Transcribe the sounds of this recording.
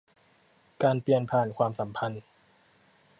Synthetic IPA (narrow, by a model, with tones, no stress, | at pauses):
kaː˧npli˧ənpʰaː˨˩nkʰwaː˧msa˩˦mpʰa˧n